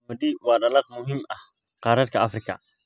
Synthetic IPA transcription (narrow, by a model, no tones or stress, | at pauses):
mɐd̪iwɑːɖɐlɑqmʊɦɪmɐh | qɑːɾɐd̪kʰɐɐfrɪkʰɐ̰